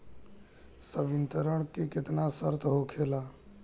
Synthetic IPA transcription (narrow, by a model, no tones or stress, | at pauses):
səbɪnt̪əɾəɽ̃kekɪt̪nasəɾt̪ɦokʰela